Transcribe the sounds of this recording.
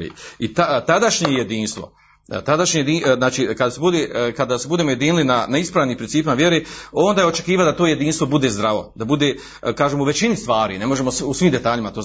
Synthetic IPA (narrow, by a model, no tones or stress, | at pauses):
ḭit̪at̪ad̪aʃɲejed̪iːnst̪ʋo̞̰ | t̪ad̪aʃɲejed̪iznaːt͡ʃiːkad̪asebud̪eːkad̪asebud̪eːmo̞je̞d̪inilinanaispɾaːʋniːmpɾinsiːpimaʋjeɾeːo̞nd̪aːjeo̞t͡ʃe̞kiːʋald̪at̪oːje̞d̪iːnst̪ʋo̞bud̪ezd̪ɾaʋo̞̰d̪abud̪e̞ː | kaːʒemuʋe̞t͡ɕinist̪ʋaːɾḭːne̞mo̞ʒe̞mosusʋimd̪e̞t̪aːʎimat̪oː